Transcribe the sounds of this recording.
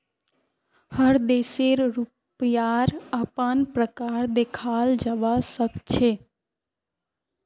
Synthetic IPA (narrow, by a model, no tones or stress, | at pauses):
həɾd̪eseɾɾu | pjaɾəpənpɾəkaɾd̪ekʰald͡ʒəʋasəkt͡ʃʰe